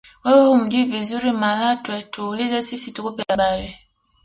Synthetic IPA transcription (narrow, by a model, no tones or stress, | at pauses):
wɛwɛhum̩d͡ʒivizuɾimalatɛtulizɛsisitukupɛlaɓalɛ